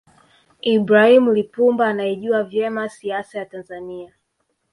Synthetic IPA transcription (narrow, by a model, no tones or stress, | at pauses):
ibɾahimulipumbaːnajɛʄuavjɛmasiasajatanzania